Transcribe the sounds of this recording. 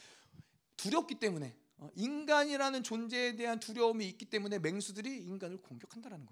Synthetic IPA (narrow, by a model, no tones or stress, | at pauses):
tuɾjʌp̚k͈it͈e̞mune̞ | ʌinɡaɲiɾanɯnt͡ɕond͡ʑe̞ːde̞ɦantuɾjʌmiːk͈it͈e̞mune̞me̞ŋsʰudɯɾiːnɡanɯɭkoŋɡjʌkʰandaɾanɯnɡʌ